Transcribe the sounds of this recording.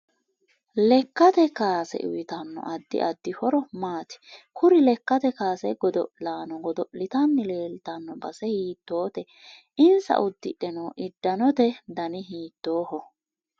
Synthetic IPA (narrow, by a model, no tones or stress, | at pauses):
lɛkːɐt̪ɛkaːsɛ̰ʔʊ̰wɪt̪ɐnːɔ̰ʔɐd̪ːɪ̰ʔɐd̪ːɪhɔɾɔmaːt̪ɪ̥kʊɾɪlɛkːɐt̪ɛkaːsɛɡɔd̪ɔʔlaːnɔɡɔd̪ɔʔlɪt̪ɐnːɪleːlt̪ɐnːɔbɐsɛhiːt̪ːo̞ːt̪ɛ | ɪnsɐ̰ʔʊd̪ːɪ̰ᶑɛnoːʔɪd̪ːɐnɔt̪ɛd̪ɐnɪɦiːt̪ːo̞ːhɔ